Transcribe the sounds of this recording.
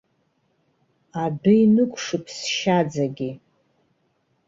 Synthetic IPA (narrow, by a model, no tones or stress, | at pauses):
adɨinɨkʷʰʼʂɨpʰsʃad͡zaɡʲi